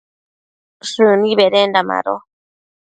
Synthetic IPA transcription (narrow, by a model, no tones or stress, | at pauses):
ʂɨnĩβeɾendama̰ɾo